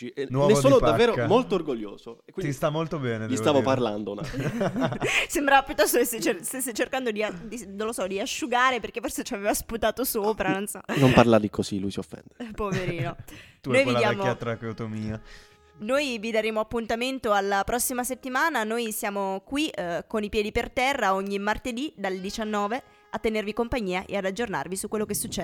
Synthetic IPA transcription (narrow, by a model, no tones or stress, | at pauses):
t͡ʃiʔnɔnesoːnopdavːeːɾomolt̪oːrɡoʎːo̰ːzokːwindist̪amːolt̪obɛːnevisaːvoparla̰nd̪ona | sembɾavapjut̪ːɔst̪okeset͡ʃest̪esːet͡ʃːerkand̪od̪iad̪inolosɔd̪iaʃːuɡaːɾeperk̟efːorset͡ʃiaveːvasput̪aːt̪osoːpɾanonsɔnompparlad̪ikosilujsiofːɛ̰nd̪epoveɾiːnounjvid̪aːɛmoat̪ɾakeot̪omiːa | nojvid̪aɾeːmoapːunt̪ament̪oalːapɾɔsːimaset̪ːimaːnanojsjaːmokwikonipjɛːd̪ipert̪ɛrːaoɲːimart̪ed̪id̪aled̪it͡ʃanːɔːve | at̪ːenervikompaɲːiːaʔḛad̪ad͡ʒːorna̰rvisukːwelːokesːut͡ʃːɛ